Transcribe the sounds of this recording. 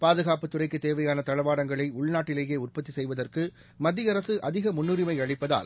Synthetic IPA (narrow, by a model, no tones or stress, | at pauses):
paːðɯɣaːpɯt̪ːʊrɐɪkːɯt̪eːʋɐjaːnɐt̪ɐɭɐʋaːɽɐŋɡɐɭɐɪʊɭnaːʈːɪleːjeːʊrpɐt̪ːisɛjʋɐðɐrkɯ | mɐd̪ːɪjɐɾɐsɯʔɐðɪɣɐmʊnːʊɾɪmɐɪɐɻɪpːɐða̰ːl